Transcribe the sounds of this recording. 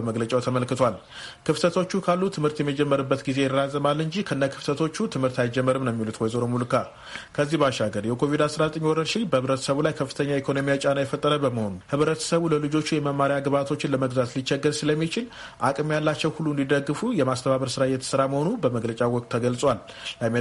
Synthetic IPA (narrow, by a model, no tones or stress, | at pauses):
əməɡlət͡ʃʼawt̪ʰəməlkɨt̪ʰwal | kʰɨft̪ʰət̪ʰo̞t͡ʃːukʰalːut̪ʰɨmhɨɾt̪jɛmːid͡ʒɛmːəɾɨbːət̪ɡize̞jɛrazəmalːɨɲd͡ʒihkʰəɨnːakʰɨft̪ʰət̪ʰo̞t͡ʃːut̪ʰɨmhɨɾt̪ajd͡ʒɛmːəɾɨmnəmːilut̪wɔjzoɾomulɨkʰa | kʰəzːihbaʃaɡəɾjɛkʰo̞vid̪asɾazət̪ʼəɲːwɔɾəɾʃɪnbəhɨβɾət̪ʰə̥səβulajkʰəfːɨt̪ʰəɲːaikʰo̞no̞mijat͡ʃʼanajɛfət̪ʼːəɾəbəməho̞nuhɨβɾət̪ʰə̥səβuləlɨd͡ʒo̞t͡ʃːujɛməmːaɾjaɡɨβat̪ʰo̞t͡ʃːɪnləməɡzat̪lit͡ʃːɛɡːəɾsɨləmːit͡ʃɪl | ʔakʼɨmjalːat͡ʃːɛwhulːuɨnd̪id̪əɡːɨfujɛmast̪ʰəβaβəɾsɨɾajɛt̪ʰə̥sɨɾaməho̞nubəməɡlət͡ʃʼawɔkʼt̪ʰːəɡəlsʼwal | lam